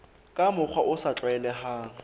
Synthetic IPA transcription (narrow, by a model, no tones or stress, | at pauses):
kʼamʊk͡xʰwaʔʊsat͡ɬʼwɛlɛha